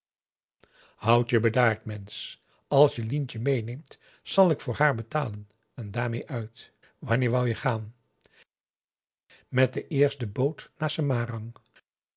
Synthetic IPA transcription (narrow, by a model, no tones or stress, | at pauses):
hʌwtjəbədaːɹtmɛns | ɑlˠsjəlintəmejnejmt | sɑlˠɪkfʊːɹɦaːɹbətaːlən | ɛndaːɹmejʔœɥt | ʋɑnɪːɹʋɑlˠjəχaːn | mɛt̚dəʔɪːɹstdəbowtnaːsəmaːrɑŋ